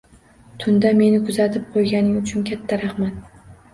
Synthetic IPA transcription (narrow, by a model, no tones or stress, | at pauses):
t̪ʰʊnd̪ame̞nɪkʰʊzat̪ʰɪp̚qʰojɡʲanɪŋʊt͡ʃʰʊnkʲʰat̪ʰːaɾɑhmat̪̚